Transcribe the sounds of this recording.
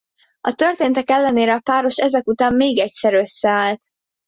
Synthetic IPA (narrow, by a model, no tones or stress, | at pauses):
ɒt̪ø̞rt̪eːnt̪ɛkɛlːɛneːɾɛɒpaːɾo̞ʃɛzɛkut̪aːmmeːɡɛcsɛɾø̞sːɛaːlt̪